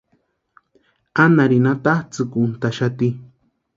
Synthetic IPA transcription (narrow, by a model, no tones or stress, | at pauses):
anaɾinat̪aht͡sɨkunt̪aʃat̪i